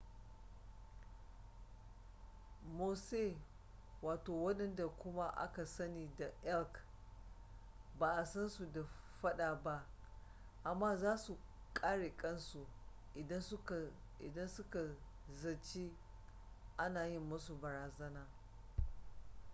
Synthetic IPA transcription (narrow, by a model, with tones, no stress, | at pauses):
moː˨se˦ | waː˨toː˨wɐ˦ɗɛ˦nda˨kʷʊ˦ma˦ʔa̰˦ka˨sɐ˦niː˨da˨ʔɛ˦lk | baː˨ʔa˨sɐ˦nsu˨da˨ | ɸɐ˦ɗaː˨ba˦ʔ | ʔa˨mːaː˦zaː˦su˨ | kʼaː˦ɽeː˨kʼɐ˦nsu˨ | ʔɪ˨dɐ˦nsʊ˦ka˨ | ʔɪ̰˨dɐ˦nsʊ˦ka˨ | zɐ˨t͡ʃi˦ | ʔa˦naː˨jɪ˦mːɐ˦su˨bɐ˨ɾaː˨zɐ˦naː˨